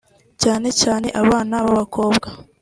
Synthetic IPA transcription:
caːne̞caːne̞ʔaβaːnaβaβako̞ːbɡa

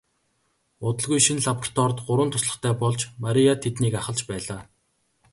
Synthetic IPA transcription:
ʊt̪ə̆ɮɣujʃinɮapɔr̥t̪ʰɔrt̪ɢʊɾwə̆nt̪ʰʊsɮə̆χt̪ʰæːpɔɮt͡ɕmaɾʲijat̪ʰet̪niːkaχə̆ɮt͡ɕpæːɮaː

